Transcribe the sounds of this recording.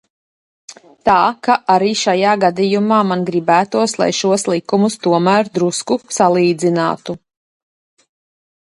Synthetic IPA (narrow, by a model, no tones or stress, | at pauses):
t̪aːkaʔaɾiːʃajaːɡad̪ijumaːmanɡɾibæːt̪uɔslˠa̰jʃuɔslˠikumust̪uɔmæːɾd̪ɾuskusalˠiːd̪zina̰ːt̪u